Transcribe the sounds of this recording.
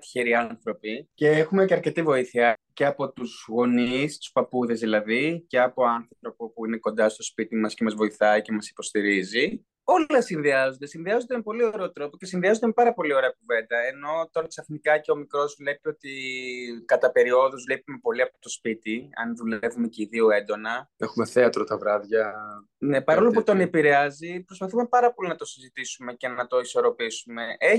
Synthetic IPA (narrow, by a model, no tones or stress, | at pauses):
t̪i̥çeɾiɐnθɾo̞pice̞exume̞ceɐɾce̞t̪ivo̞iθiɐce̞ɐpo̞t̪uzɣo̞nist̪u̥spɐpuðe̞zðilɐðice̞ɐpoɐnθɾot̪ɾo̞po̞puine̞ko̞nd̪ɐst̪o̞spit̪imɐsce̞mɐzvo̞iθɐice̞mɐsi̥po̞st̪iɾizi | o̞llɐsinðiɐzond̪esinðiɐzond̪emepo̞lioɾe̞ot̪ɾo̞po̞cesinðiɐzond̪emepɐɾɐpo̞lio̞ɾe̞ɐkuve̞nd̪ɐeno̞t̪o̞ɾɐksɐfnikɐceo̞mikɾo̞zvle̞pio̞t̪i | kɐt̪ɐpe̞ɾio̞ðuzvlipume̞po̞liɐpot̪ospit̪iɐ̰nðule̞vumeceiðioe̞nd̪o̞nɐexume̞θeɐt̪ɾot̪ɐvɾɐðʝɐ | ne̞pɐɾo̞loɐuot̪onepiɾeɐzipɾospɐθume̞pɐɾɐpo̞linɐt̪o̞sizit̪isume̞ce̞nɐt̪o̞iso̞ɾo̞pisume̞ʔe